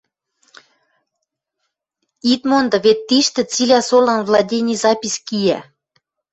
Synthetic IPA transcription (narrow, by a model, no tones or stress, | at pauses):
it̪mond̪ɤ̆βet̪ːiʃt̪ĕt͡silʲæsolɑnvlˠɑdʲenʲizɑpʲisʲkijæ̰